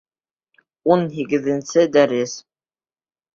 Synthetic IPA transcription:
unɦiɡɘ̆ðɘ̆nsɘd̪æɾɘs

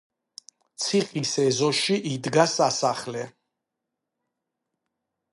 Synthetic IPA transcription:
t̪sʰiqʼisɛzɔʃiʔid̪ɡasasaχlɛ

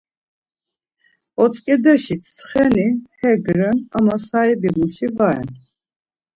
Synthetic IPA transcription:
ɔt͡sʼkʼɛd̪ɛʃit͡sʰt͡sʰχɛnihɛɡɾɛna̰masaibimuʃivaɛ̰n

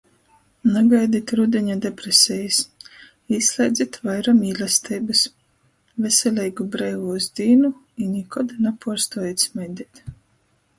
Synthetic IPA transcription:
naɡajd̪it̪ɾud̪ʲɛɲad̪epɾesʲɛjis | iːslʲˠɛjd̪zʲit̪vajɾamiːlʲast̪ʰɛjbɨs | vʲesʲɛlʲɛjɡubɾɛːvuzd̪ʲiːnu | inʲikɔd̪napuɔst̪ɔjɛt̪smɛjd̪ʲit̪

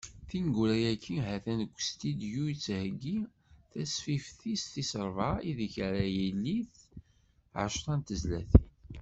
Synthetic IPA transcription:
θinɡuɾæjækʰːiɦæθænəkʷːst̪id̪jujit͡sːhəɡːi | θæsfifθist̪isəɾˤvaiðiçɾæjilːiθ | ʕə̰ʃt̪ˤɑnt̪əzlæθin

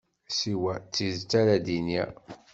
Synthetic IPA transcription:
siwæt͡sːizt͡sːæɾæd̪injæ̰

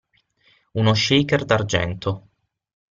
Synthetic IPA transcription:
unoʃejkerd̪ard͡ʒɛ̰nt̪ʰo

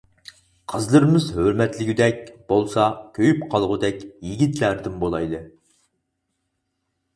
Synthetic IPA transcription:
qʰəzlˠɨɾɨmɪzhøɾmɛt̪lɪɡʲyd̪ɛkʲb̥olˠsɑkʲʰøjypqʰɑlˠʁʊd̪ɛkʲjiɡʲit̪læɾd̪ɪmbolˠɑjd̪ɨ

